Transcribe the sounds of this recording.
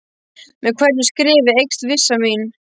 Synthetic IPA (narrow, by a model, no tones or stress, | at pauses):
mɛðkʰvɛɾt̪nʏskɾɪːvɪejkst̪vɪsːamiːn